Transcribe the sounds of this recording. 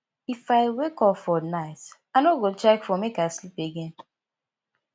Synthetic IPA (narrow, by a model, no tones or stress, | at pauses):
ifaɪwekɔfɔnaɪtanoɡot͡ʃɛkfɔmekaɪslipeɡẽn